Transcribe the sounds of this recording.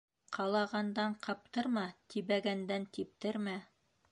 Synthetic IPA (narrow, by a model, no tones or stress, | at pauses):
qʰɑlˠɑʁɑnd̪ɑɴqʰɑp̚t̪ɤɾmɑt̪iβæɡænd̪ænt̪ip̚t̪ɘɾmæ